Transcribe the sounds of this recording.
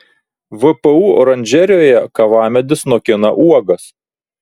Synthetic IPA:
ʋɨpɛuːɔ̰ɾɐnʲd͡ʒʲɛɾʲjoːjɛkɐʋɑːmʲɛd̪ʲɪsnɔkʲɪnɐ̰ʔuɔɡɐs

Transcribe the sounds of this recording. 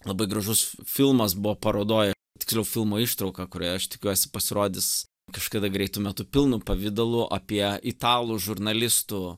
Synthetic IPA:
lˠɐbɐɪɡɾɐʒʊsfʲɪlˠmɐsbʊʋoːpɐɾoːd̪oːjɛ | t̪ʲɪksʲlʲɛʊfʲɪlˠmoːiʃt̪ɾɐʊkɐkʊɾʲoːjɛɐʃt̪ʲɪkʲuɔsʲɪ̥pɐsʲɪɾoːd̪ʲɪs | kɐʃkɐd̪ɐɡɾʲɛɪt̪ʊmʲɛt̪ʊpʲɪlˠnupɐʋʲɪd̪ɐlˠuʔɐ̰pʲiɛiɪt̪ɑːlˠuʒʊrnɐlʲɪst̪u

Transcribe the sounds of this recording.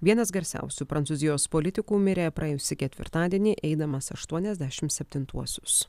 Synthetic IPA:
ʋʲiɛnɐsɡɐɾʲsʲæ̰ˑʊsʲupɾɐnsuːzʲɪjoːspoːlʲɪt̪ʲɪkuːmʲɪɾʲeːpɾɐɛjʊsʲɪkʲɛt̪ʲʋʲɪ̰ɾt̪ɑːd̪ʲiɛnʲiʔɛɪd̪ɐmɐsɐʃt̪uɔnʲɛzʲd̪ʲæːʃʲɪmt̪sʲɛpʲt̪ʲɪnt̪uɔsʲʊ̥s

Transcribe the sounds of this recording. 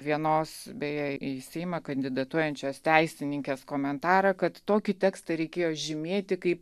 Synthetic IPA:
ʋʲiɛnoːsbʲɛjɛiːsʲɛɪmɐkɐnʲd̪ʲɪd̪ɐt̪uɔjɛnʲt͡ʃʲoːst̪ʲɛɪsʲɪnʲɪŋʲkʲeːskoːmʲɛnt̪ɑːɾɐkɐt̪toːkʲɪt̪ʲɛːkst̪ɐɾʲɛɪkʲeːjoːʒʲɪmʲeːt̪ʲɪkɐɪp

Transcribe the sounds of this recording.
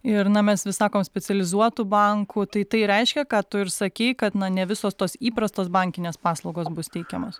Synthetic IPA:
ɪɾnɐmʲɛsʋʲɪsɑːkoːmsʲpʲɛt͡s̪ʲɛlʲɪzuɔt̪ubɐŋkʊt̪ɐɪt̪ɐɪɾʲɛɪʃʲkʲɛkɑːt̪ʊɪɾsɐkʲɛɪkɐt̪nɐnʲɛʋʲɪsoːst̪oːsiːpɾɐst̪oːsbɐŋʲkʲɪnʲeːspɑːslˠɐʊɡoːsbʊst̪ʲɛɪkʲɛmoːs

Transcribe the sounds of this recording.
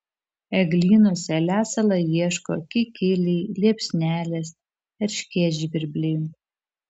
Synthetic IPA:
ɛɡlʲiːnoːsʲɛlʲæːsɐlˠɐjiɛʃko̰ːkʲɪkʲɪlʲiːlʲiɛpʲsʲnʲæːlʲɛs | ɛɾʲʃʲkʲiɛʒʲibʲɪɾʲbʲlʲɪː

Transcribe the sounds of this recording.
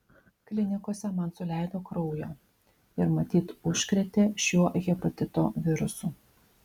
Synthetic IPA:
klʲɪnʲɪkoːsʲɛmɐnsʊlʲæˑɪd̪oːkɾɔʊjoː | ɪɾmɐt̪ʲiːt̪ʊʃʲkɾʲɛt̪ʲeːʃʲuːɔʔɣʲɪpɔt̪ʲɪt̪o̰ːʋʲɪɾʊsuː

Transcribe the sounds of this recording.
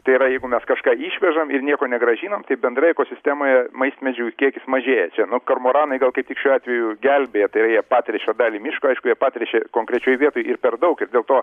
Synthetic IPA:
t̪ɐɪɪɾɐjɛɪɡʊmʲɛskɐʃkɑːiːʃʲʋʲɛʒɐmɪrnʲiɛkoːnʲɛɡɾɐʒʲiːnoːmt̪ɐɪbʲɛnd̪ɾɐjɛkoːsʲɪsʲt̪ʲæːmoːjɛmɐɪsʲt̪ʲmʲɛd͡ʒʲukʲiɛkʲɪsmɐʒʲeːjɛt͡ʃʲɛnʊkɐrmoːɾɑːnɐɪɡɐlˠkɐɪp̚t̪ʲɪkʃʲuːɑːt̪ʲʋʲɛjʊɡʲɛlʲbʲeːjɛt̪ɐɪɾɐjiɛpɑːt̪ʲɾʲɛʃʲod̪ɑːlʲiːmʲɪʃkoɐɪʃkʊjiɛpɑːt̪ʲɾʲɛʃʲɛkoːŋkɾʲɛt͡ʃʲoːjʋʲiɛt̪oːjɪrpʲɛrd̪ɐʊkɪrd̪ʲeːlˠt̪oː

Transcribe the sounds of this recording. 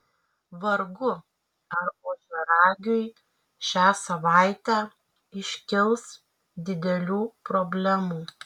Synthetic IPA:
ʋɐɾɡʊ | ɐɾoːʒʲɛɾɑːɡʲʊɪ | ʃʲæːsɐʋɑɪt̪ʲæː | ɪʃʲkʲɪlˠs | d̪ʲɪd̪ʲɛlʲuːpɾobʲlʲæmuː

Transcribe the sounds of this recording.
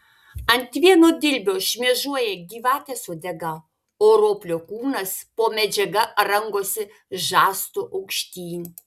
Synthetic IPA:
ɐnʲt̪ʲʋʲiɛnoːd̪ʲɪlʲbʲoːʃʲmʲiɛʒuɔjɛɡʲiːʋɑːt̪ʲɛsoːd̪ʲɛɡɐ | oːɾoːpʲlʲoːkuːnɐspoːmʲɛd͡ʒʲɛɡɐɾɐŋɡoːsʲɪ | ʒɑːst̪oʔɐʊkʃʲt̪ʲiːnʲ

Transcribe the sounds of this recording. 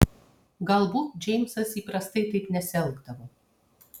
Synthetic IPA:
ɡɐlˠbuːt̪d͡ʒʲɛɪmʲsɐsiːpɾɐst̪ɐɪt̪ɐɪpnʲɛsʲɛlˠɡd̪ɐʋo

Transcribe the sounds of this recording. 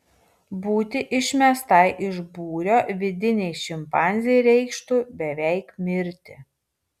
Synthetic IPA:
buːt̪ʲɪʔɪʃʲmʲɛst̪ɐɪʔɪʒbuːɾʲoːʋʲɪd̪ʲɪnʲɛɪʃʲɪmpɑˑnʲzʲɪjɛɪɾʲɛɪkʃt̪uːbʲɛʋʲɛɪkmʲɪɾʲt̪ʲɪ

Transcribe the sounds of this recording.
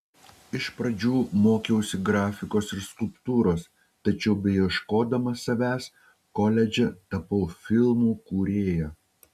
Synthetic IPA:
ɪʃpɾɐd͡ʒʲuːmoːkʲɛʊsʲɪɡɾɑːfʲɪkoːsɪɾskʊlˠpt̪uːɾoːs | t̪ɐt͡ʃʲɛʊbʲɛɪjɛʃkoːd̪ɐmɐsɐʋʲæːs | kɔlʲɛd͡ʒʲɛt̪ɐpɐʊfʲɪlˠmuːkuːɾʲeːjɛ

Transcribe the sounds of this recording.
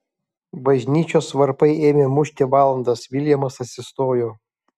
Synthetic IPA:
bɐʒʲnʲiːt͡ʃʲoːsʋɐɾpɐɪeːmʲemʊʃʲt̪ʲeʋɑːlˠɐnd̪ɐsʋʲɪlʲjɛmɐsɐt̪ʲsʲɪst̪oːjoː

